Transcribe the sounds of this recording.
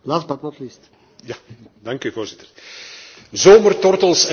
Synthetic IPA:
laːsbatnɔtlist | jadɑŋkyvoːrzɪt̪ər | zoːmərtɔrtəlˠsɛ

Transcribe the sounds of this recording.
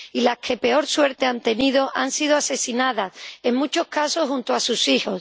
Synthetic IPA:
ilaskʰe̞pe̞o̞ɾswe̞ɾt̪e̞ant̪e̞nið̞o̞ʔansið̞oase̞sinað̞ase̞ŋmut͡ʃo̞kaso̞hunt̪oasusiho̞s

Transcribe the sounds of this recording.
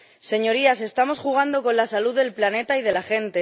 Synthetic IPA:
se̞ɲo̞ɾiase̞st̪amo̞sxuɣ̞and̪o̞ko̞nlasaluðe̞lplane̞t̪aið̞e̞laxe̞nt̪e

